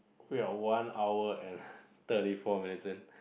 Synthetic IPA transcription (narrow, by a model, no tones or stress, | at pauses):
wiawãnawəɛ̃nt̪ətifɔminitə̃n